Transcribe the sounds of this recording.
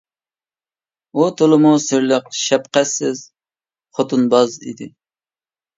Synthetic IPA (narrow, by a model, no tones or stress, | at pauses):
ut̪ʰolˠɨmusɪɾləq̚ʃɛpqæsɪz̥ | χʰot̪ʰunbɑzḭd̪ɪ